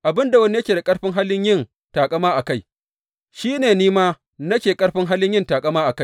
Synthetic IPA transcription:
ʔa˨bɪ˦nda˨wɐ˦ni˦jɐ˦kʲeː˨da˨kʼɐ˦ɽɸɪ˦ŋɦa˦lɪ˦ɲjɪ˦˨n | taː˨kʼɐ˦maː˦ʔa˨ka˦˨j | ʃiː˦neː˨niː˦maː˦ | nɐ˦kʲeː˨kʼɐ˦ɽɸɪ˦ŋɦa˦lɪ˦ɲjɪ˦ntaː˨kʼɐ˦maː˦ʔa˨ka˦j

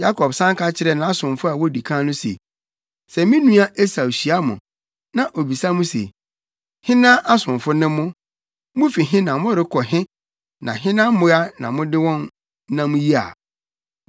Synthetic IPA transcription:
ja˦kʰɔ˨bsã˦ŋkʰa˦t͡ɕʰɪ˦ɾɛ˦nã˨˦a˦sʊ̃˨mfʊ˦a˨wɔ˦di˨kʰãː˦nʊ̃˦sḛ˨ | sɛ˨mĩ˦nũ˦a˦ʔe˦sa˨ɕi˨a˦mʊ̃˨ | nã˨ʔo˨bi˨sa˦mʊ̃˦sḛ˨ | hɪ̃˦nã˦ʔa˦sʊ̃˨ɱfʊ˦nɪ̃˦mʊ̃˦ | mʊ̃˦fi˨ɦɪ̃˦nã˨mʊ̃˦ɾɪ˦kʰɔ˨ɦɪ̃˦ | nã̰˨ɦɪ̃˦nã˦m˦mʊ̃˦a˦nã˨mʊ̃˦dɪ˦wɔ̃˦n˦ | ã˦mʊ̃˦ji˦a̰˨

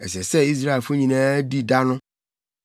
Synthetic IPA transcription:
ɛ̰˨sɛ˨sɛ˦i˦s̬ɾa˦e˨lfʊ˦ɲĩ˨nã˦e˦di˦da˦nʊ̃˦

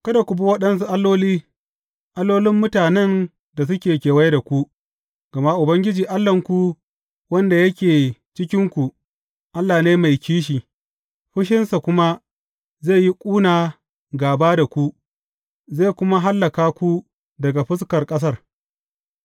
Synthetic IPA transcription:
kɐ˦da˨kʷu˨bu˦wɐ˦ɗɐ˦ns̬u˦ʔa˦lːoː˦liː˦ | ʔa˦lːoː˦lɪ˦mːʊ˦taː˨nɛ˦n | da˨s̬ʊ˦kʲeː˨kʲeː˨wa˦jda˨kʷu˦ | ɡ̥ɐ˨ma˦ʔʊ˨bɐ˦ŋɡʲɪ˦d͡ʒiː˨ʔa˦lːɐ˨ŋkʷu˦ | wɐ˦nda˨jɐ˦kʲeː˨t͡ʃɪ˦kʲɪ˦ŋkʷu˨ | ʔa˦lːaː˨neː˦ma˨jkʲiː˦ʃ̬iː˨ | ɸɪ˦ʃɪ˦nsa˨kʷʊ˦ma˦ | zeː˦˨ji˦kʷʼuː˦naː˨ | ɡaː˨baː˦da˨kʷu˦ | ze˦˨kʷʊ˦ma˦ɦa˦lːɐ˨kaː˦kʷu˦ | dɐ˨ɡa˨ɸɪ˦skɐ˨rkʼɐ˦s̬ɐ˦r

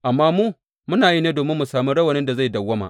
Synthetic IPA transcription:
ʔa˨mːaː˦muː˦ | mʊ˦naː˨ji˦neː˦doː˨mɪ˦mːu˨saː˨mu˦ɽɐ˦wɐ˨nɪ˦nda˨za˦˨jdɐ˨wːɐ˦ma̰˨ʔ

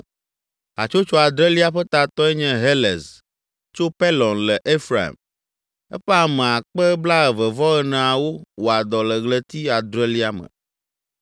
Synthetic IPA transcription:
a̰˨t͡ʃo˦t͡ʃɔ˦a˨d̪ɾɛ˦li˦a˦ɸɛ˦t̪a˨t̪ɔ˦ɛ˦ɲɛ̃˦ɦe˦lɛ̰˨z | t͡ʃo˦pe˦lɔ̃˨nlɛ˨ʔe˦fɾa˨ḭ˨m | ɛ̰˦ɸɛ˦a˨mɛ̃˨a˨k͡pɛ˦bla˦ɛ˨və˨vɔ˦ɣɛ˦nã˨a˨wo˦wo˨a˨d̪ɔ˨lə˨ɣlɛ˦t̪i˦a˨d̪ɾɛ˦li˦a˦mə̰˨

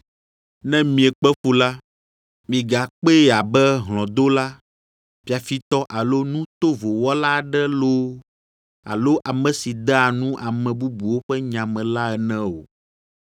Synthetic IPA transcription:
nɛ̃˦mĩ˨ɛ˨k͡pɛ˦fu˦la˦ | mĩ˨ɡa˨k͡pe˦˨a˨bɛ˦ɦlɔ̃˨d̪o˦la˦ | fi˨˦a˨fi˦t̪ɔ˦ʔa˨lo˦nũ˦t̪o˦vo˨wɔ˦la˦˨ɖɛ˦lo˦ | a̰˨lo˦ʔa˨mɛ̃˨si˨d̪ɛ˦a˨nũ˦ʔa˨mɛ̃˨bu˦bu˨wo˦ɸɛ˦ɲã˨mɛ̃˨la˦ɛ˨nɛ̃˦o̰˨

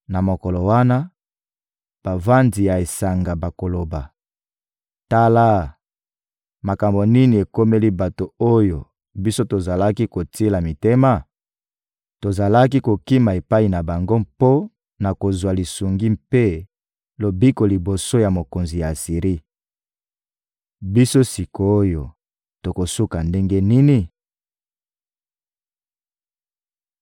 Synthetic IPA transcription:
na˨mo˨ko˨lo˨wa˦na˦ | b̥a˨va˦ndi˨ja˨e˨sa˨ŋɡa˨ba˨ko˨lo˨ba˨ | ta˦la˦ | ma˨ka˨mbo˨ni˦ni˨e˨ko˦me˦li˦ba˨to˨o˦jo˨ | bi˦so˦to˨za˨la˦ki˦ko˨tʰi˦la˨mi˨te˦ma˨ | to˨za˨la˦k̬i˦ko˨ki˦ma˨e˨pa˦i˨na˨ba˨ŋɡo˦mpo˦ | na˨ko˨zwa˨li˨su˨ŋɡi˦mpe˦ | lo˨bi˦ko˨li˨bo˨so˦ja˨mo˨ko˨nzi˨ja˨si˨ʁi˦ | bi˦so˦si˨ko˨o˦jo˨ | to˨ko˨su˦ka˨nde˦ŋɡe˦ni˦ni˨

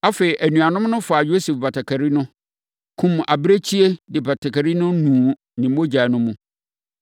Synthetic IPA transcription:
a˦fe˨i˨ʔæ˨nũ˨a˨nʊ̃˦mnʊ̃˦fa˨jo˦se˨fba˨tʰa˨kʰæ˨ɾi˦nʊ̃˦ | kʰũ˨ma̰˨bɾe˦t͡ɕʰi˦e˦dɪ˨ba˨tʰa˨kæ˨ɾi˦nʊ̃˦nũː˨ | nɪ̃˨m̩˦mo˦d͡ʑa˨nʊ̃˦mũ˦

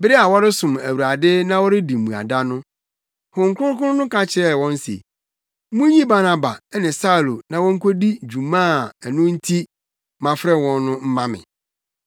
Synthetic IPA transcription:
bɪ˦ɾɪ˦a˨wɔ˦ɾɪ˦sʊ̃˨mæ˨wu˨ɾa˨dɪ˦nã˦wɔ˦ɾɪ˦di˨mũ˨a̰˨da˦nʊ̃˦ | hʊ̃˨ŋ̩˦kʷʰʊ̃˦ɾkʰʊ̃˦ʊ̃˦nʊ̃˦kʰã˦t͡ɕʰɪ˨ɾɛ˨wɔ̃˦n̩˦sḛ˨˦ | mũ˦ɲĩ˦ba˦na˦ba˨˦nɪ̃˨sa˦u˨lo˨nã˨wɔ̃˦ŋ̩˦kʰo˦di˦d͡ʑu˨mã˦˨nʊ̃˦n̩˦tʰi˦ | mã˨fɾɛ˦wɔ̃˦nː˦ʊ̃˦m̩˦mã˦mɪ̰̃˨

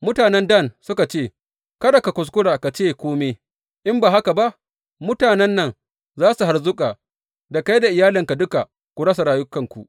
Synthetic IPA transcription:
mʊ˦taː˨nɛ˦ndɐ˦˨nsʊ˦ka˨t͡ʃeː˦˨ | kɐ˦da˨ka˨kʷʊ˨s̬kʷʊ˦ɽaː˨ka˨t͡ʃeː˦˨kʷoː˦me˦ | ʔɪ˦mbaː˨ɦa˦ka˨ba˦ʔ | mʊ˦taː˨nɛ˦nːɐ˨ŋ | zaː˦su˨ɦa˨rzʊ˦kʼaː˨ | da˨ka˦jda˨ʔɪ˨jaː˦lɪ˨ŋka˨dʊ˦ka˨ | kʷu˨ɽɐ˦s̬a˨ɾaː˦jʊ˦kɐ˨ŋkʷu˨ʔ

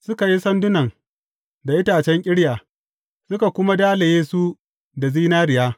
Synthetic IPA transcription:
sʊ˦ka˨ji˦sɐ˦ndʊ˦nɐ˨ŋ | da˨ʔɪ˦taː˨t͡ʃɛ˦ŋkʲʼɪ˦ɽjaː˨ | sʊ˦ka˨kʷʊ˦ma˦daː˦le˨jeː˦su˦ | da˨ziː˦naː˦ɾɪ˨jaː˦

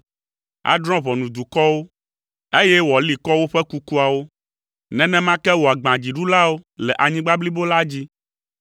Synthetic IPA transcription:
a̰˨d̪ɾ̃ɔ̃˦βɔ˨nũ˨d̪u˨kɔ˦wo˦ | e˦jɛ˦wɔ˨li˨kɔ˦wo˦ɸɛ˦ku˦ku˦a˨wo˦ | nɛ̃˨nɛ̃˦mã˦kɛ˦wo˨a˨ɡ͡bã˨d͡ʑi˨ɖu˦la˦wo˦lɛ˨ʔa˨ɲĩ˦ɡ͡ba˦bli˦bo˦la˦d͡ʑi˦

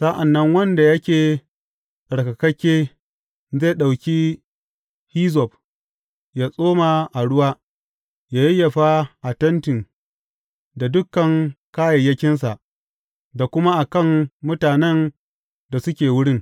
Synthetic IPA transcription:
sa˦ʔa˨nːɐ˦ŋwɐ˦nda˨jɐ˦kʲeː˨ | ɗɐ˨ɽkɐ˨kɐ˦kʲeː˦ | ze˦˨ɗa˨wkʲiː˦ | hiː˦zɔ˨p̚ | jaː˦sʼoː˦maː˨ʔa˨ɽʊ˦waː˦ | jaː˦ji˦jɐ˨ɸa˦ʔa˨tɐ˦ntɪ˨ŋ | da˨dʊ˦kːɐ˨ŋkaː˦jɐ˨jːɐ˦kʲɪ˦ns̬a˨ʔ | da˨kʷʊ˦ma˦ʔa˨kɐ˦˨ŋmʊ˦taː˨nɛ˦n | da˨sʊ˦kʲeː˨wʊ˦ɽɪ˦˨ŋ

